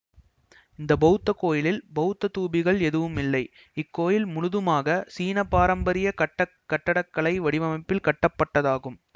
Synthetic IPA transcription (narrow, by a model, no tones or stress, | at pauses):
ɪnd̪ɐbɐɯt̪ːɐkoːjɪlɪlbɐɯt̪ːɐt̪uːbɪɣɐɭɛðɯʋɯmɪlːɐɪ | ɪkːoːjɪlmʊɻʊðɯmaːɣɐsiːnɐpːaːɾɐmbɐɾɪjɐkɐʈːɐ | kːɐʈːɐɽɐkːɐɭɐɪʋɐɽɪʋɐmɐpːɪlkɐʈːɐpːɐʈːɐðaːɣɯm